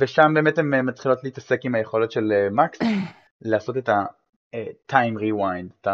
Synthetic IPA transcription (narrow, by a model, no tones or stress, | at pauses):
veʃambe̞ːme̞thememːatχilo̞tleiːtase̞kimhaje̞χo̞le̞t̪ʃe̞lemaks | leaːso̞teta | tʰajmʁiwajndeta